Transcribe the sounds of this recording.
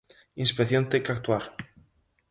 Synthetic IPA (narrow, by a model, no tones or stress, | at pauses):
inspeθjont̪ekak̚t̪uaɾ